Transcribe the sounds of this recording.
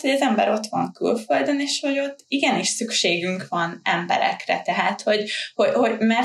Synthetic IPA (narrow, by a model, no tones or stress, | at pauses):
t̪hoɟɛzɛmbɛ̰ɾo̞t̪ʋɒŋky̰lføld̪øneːʃho̞ɟo̞t̪ːiɡɛniʃsykʃeːɡyŋkʋɒnɛmbɛ̰ɾɛ̰krɛ̰t̪ɛɦaːt̪ho̞ɟho̞ho̞mɛr